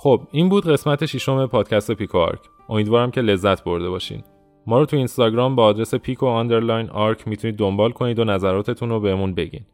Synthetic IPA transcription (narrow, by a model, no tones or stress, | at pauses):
xob̥iːnbuːd̪ɢe̞smæt̪ʰe̞ʃiʃo̞me̞pʰɒːd̪̥cʰæst̪e̞pikʰoɒ̰ɾkʰ | ʔo̞miːd̪vɒːɾæmcʰe̞le̞zːæt̪ʰbo̞ɾd̪e̞bɒːʃḭːd̪ | mɒːɾɔːt̪ʰuinst̪ɒːɟɾɒːmbeːd̪ɾese̞pʰiːkʰoɑnd̪e̞ɾlɒjnɒɾcʰmiːt̪ʰuniːd̪ːo̞mbɒːlkʰo̞niːd̪onæzæɾɒːt̪ʰe̞t̪ʰunobeɦemunbe̞ɟḭːd̪